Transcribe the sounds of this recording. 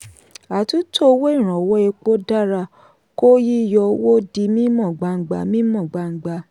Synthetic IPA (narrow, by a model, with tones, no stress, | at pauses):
a˨tu˦tʰo˦˧wo˦i˦˨ɾ̃ɔ̃˨wɔ˦e˧k͡po˦da˦ɾa˧ | ko˦ji˦jɔ˧wo˦di˧mĩ˦mɔ̃˦˨ɡ͡ba˧ŋ̩˨ɡ͡ba̰˧mĩ˦mɔ̃˦˨ɡ͡ba˧ŋ͡m̩˨ɡ͡ba˧˦